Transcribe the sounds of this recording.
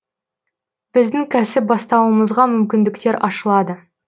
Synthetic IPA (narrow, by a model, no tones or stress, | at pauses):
b̥ɪzd̪ɪŋkʲʰæsɪp̚bɑst̪ɑwəməzʁɑmʏmkʲɪnd̪ɪkt̪e̞ɾʔɑʃəlˠɑd̪ə